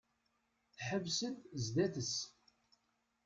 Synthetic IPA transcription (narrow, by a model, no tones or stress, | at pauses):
θħəvsənzd̪æθəs